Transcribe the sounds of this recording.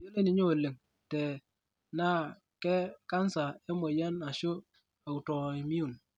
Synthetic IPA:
jo˦le˦ni˨ɲo˦o˨le˨ŋ | tɛ˨ | na˦ | kɛ˦ka˦nsa˨e˦mo˨ja˦na˨ʃo˦ | a˨u˨tɔ˨i˨mi˦u˦˨n

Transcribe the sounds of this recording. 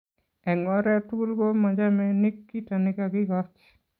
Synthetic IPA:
ɛ˨ŋɔ˦ɾɛ˦tu˦lɡo˦ma˨d͡ʒa˦mɛnɪ˦kːi˦tanɪkaɡɪ˦ɡɔ˦t͡ʃ

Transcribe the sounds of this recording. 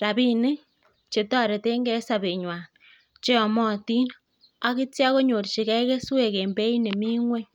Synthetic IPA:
ɾa˨bi˦ni˦ | t͡ʃe˨tɔ˦ɾe˨te˦ŋɡɛ˦sa˨be˨ɲwa˨n | t͡ʃe˦ɔ˨mɔ˦ti˦n | a˦ki˦tja˦ɣo˦ɲo˨ɾt͡ʃi˨kɛ˦ke˦swe˨ke˨mbe˦i˦ne˨mi˦ŋwe˦

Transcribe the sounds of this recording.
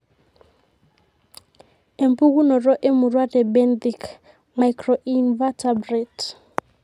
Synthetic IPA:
e˨mpu˦ku˦nɔ˨ɾɔ˦ʔe˦mu˨rwa˦tɛ˨bɛ˦ndi˨k | ma˨jkrɔ˨ʔi˦nva˦tʰabrɛ˨t

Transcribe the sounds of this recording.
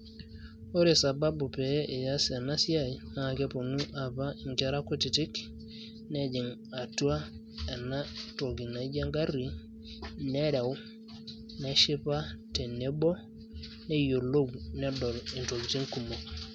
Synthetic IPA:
o˦ɾe˨sa˨ba˦bu˨pɛ˨˦ʔe˨ja˦sa˨na˦si˦a˦˨jna˨kɛ˦po˨nu˦ʔa˨pa˦i˨ŋkɛ˦ɾa˦ko˦ti˨ti˦k | ne˦d͡ʒi˨ŋ | a˨tu˦a˦ | ɛ˨na˦to˨ɡi˨na˨ɟa˦ŋɡa˦ri˦ | nɛ˦ɾɛ˨w | ne˦ʃi˦pa˦te˨ne˦bo˦ | ne˦jo˨lo˦ɡnɛ˦dɔ˨li˨nto˨ɡti˦ŋku˨mo˨k

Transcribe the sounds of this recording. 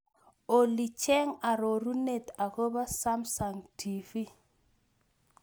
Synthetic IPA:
o˨li˨t͡ʃɛ˦ŋa˨ɾo˨ɾu˦ne˨ta˨ko˦ba˦sa˦msa˨ŋtʰi˨fi˦

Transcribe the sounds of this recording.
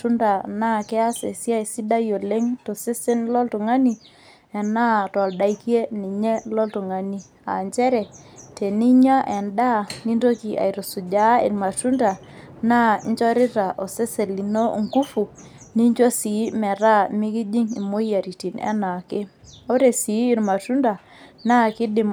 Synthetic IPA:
u˦nda˨na˦kɛ˦a˦se˨sja˦i˨si˦da˦jo˨le˦ŋto˨se˦se˦nlɔ˦ltu˨ŋa˦ni˨ | ɛ˨na˦tɔ˨lda˨i˦kje˦ni˨ɲɛ˦lɔ˦ltu˨ŋa˨ni˦ | a̰˨ɲt͡ʃɛ˦ɾɛ˨te˨ni˦ɲa˦ʔɛ˨nda˦˨ni˦nto˦ki˨ʔa̰˨i˨ɾo˨su˨d͡ʒa˨˦ḛ˨ɾma˨tu˦nda˨ | na˦ɲt͡ʃɔ˦ɾɪ˦ta˨ʔo˨se˦se˨li˨no˦ŋɡu˦fu˨ | ni˦ɲd͡ʒo˦si˨˦mɛ˨ɾa˦mɪ˦ki˦d͡ʒi˦ŋḭ˨mo˦ja˨ɾi˨ti˨nɛ̰˦na˨kɪ˦o˦ɾe˨siː˨˦˨ɾma˨tu˦nda˨ | na˦kɪ˦dɪ˨m

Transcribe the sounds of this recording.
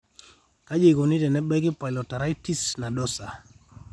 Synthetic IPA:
ka˦d͡ʒe˨ɡo˨ni˦dɛ˨nɛ˦bɛ˦ɡɪ˦pa˨ɪlɔ˨ta˨ɾa˦i˦ti˦sna˨dɔ˦sa˨

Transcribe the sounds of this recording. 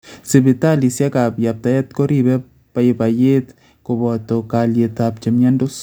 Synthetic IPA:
si˨bi˨ta˦li˨sja˦ka˨pja˨p̚t̪a˨jɛ˦t̪ko˦ɾi˨bɛ˦ | pa˦eba˨je˦t̪ | ko˨bɔ˨t̪o˨ka˨lje˨t̪a˨p̚t͡ʃe˨mja˦ndo˦s

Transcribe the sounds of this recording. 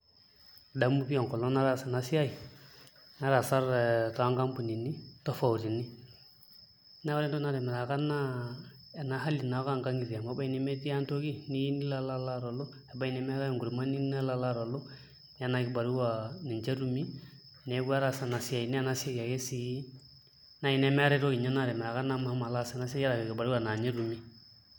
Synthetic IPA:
da˨˦mu˦pi˦a˨kɔ˨lo˦na˦ɾa˨sa˨na˨si˦a˦i˨ | na˦ɾa˨sa˦ɾtɔ˨a˦ŋka˦mpu˨ni˨ni˦tɔ˦fa˨u˨ɾi˨ni˦ | na˦wa˦ɾɛ˦ntɔ˦na˦dmɛ˨ɾa˨ka˦na˦ | ɛ˨na˨˦ɦa˦li˨na˨˦ka˦˨ŋka˦ŋɡi˨ɾa˨ma˦ba˦i˨ni˨mɛ˦ti˦a˦nto˦ki˦ni˦i˦ni˦la˦la˦la˦ɾo˨lo˦ɛ˨ba˦i˦ne˦mɛ˦ɾa˦˨ŋɡu˨ɾi˨ma˦ni˦ne˦la˦la˦ɾo˨lo˦ | ɲa˦na˨ɡi˨˦ba˨ɾi˦wa˨ni˨ɲd͡ʒe˦ɾu˦mi˦ | ne˨˦ɡa˦ɾa˦˨sa˨na˨si˦a˨i˨ni˦˨na˦si˦e˦ja˨ke˦si˦ | na˦i˦ne˦mɛ˦ɾe˦ɾo˦ɡi˨ɲa˦na˦˨ɾe˨mɛ˨ɾa˨ka˦na˦ma˨ha˦ma˨la˦se˨na˦se˦ja˦ɾa˨kɡi˨ba˨ɾi˦wa˨na˨ɲe˦ɾu˨mi˦

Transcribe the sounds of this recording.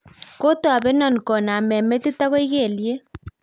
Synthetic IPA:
ko˦to˦a˨bɛ˦nɔ˨nkɔ˨na˨mɛ˨me˦ti˦ta˦ko˦i˦ke˦˨lje˦

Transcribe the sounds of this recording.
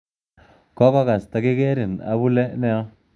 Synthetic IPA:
kɔ˦kɔ˦ka˨sta˨kɪ˦kɛ˦ɾɪ˨na̰˨bu˦lɛ˦nɛ˦ɔ˦

